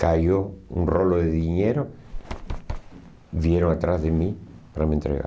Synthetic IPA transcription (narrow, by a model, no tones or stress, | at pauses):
kajoṵnroloðeðiɲeɾo | βjeɾoŋat̪ɾazðemi | paɾamẽnt̪ɾḛɣa̰